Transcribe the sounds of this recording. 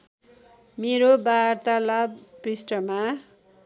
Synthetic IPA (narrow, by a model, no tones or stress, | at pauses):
meɾobart̪alabprisʈʌma